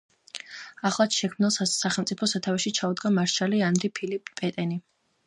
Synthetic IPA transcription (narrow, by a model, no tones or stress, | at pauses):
aχlˠat̪ʃɛkʰmnilˠssaχɛlˠt̪sʼipʰɔsat̪ʰavɛʃit͡ʃʰaud̪ɡamaɾʃʰalianɾipʰilipʼpʼɛt̪ʼɛni